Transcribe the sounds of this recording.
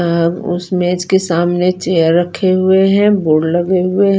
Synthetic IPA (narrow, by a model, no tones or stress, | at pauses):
ɦəɡʊ̰smeːd͡ʒkesaːmnet͡ʃeːjəɾːɐkʰːeɦʊeɦɛ̃boːɽlɐɡeɦʊeɦ